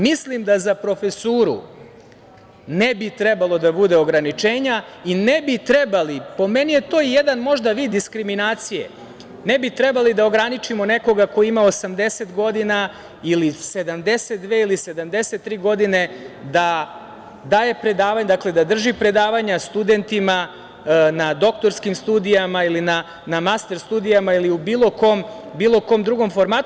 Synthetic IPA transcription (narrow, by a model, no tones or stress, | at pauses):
mislimd̪azapɾo̞fesuːɾṵ | nebit̪ɾebalˠo̞d̪abud̪e̞o̞ɡɾanit͡ʃeːɲainebit̪ɾebalipo̞menije̞t̪o̞ijed̪anmo̞ʒd̪aʋiːd̪ːiskɾiminaːt̪sijḛ | nebit̪ɾɛbalid̪ao̞ɡɾanit͡ʃimo̞neko̞ɡako̞jiimaosamd̪e̞set̪ɡo̞d̪ina | ilise̞d̪amd̪e̞set̪̚d̪ʋe̞ilise̞d̪amd̪e̞set̪ːɾiːɡo̞d̪ine̞d̪a | d̪aːje̞pɾed̪aːʋaɲd̪akle̞d̪ad̪r̩ʒipɾe̞d̪aːʋaɲast̪ud̪e̞nt̪ima | nad̪o̞k̚t̪o̞ɾskimst̪uːd̪ijamailina | namast̪e̞ɾst̪uːd̪ijamailiubiːlˠo̞ko̞m | biːlˠo̞ko̞md̪ɾuɡo̞mfo̞ɾmaːt̪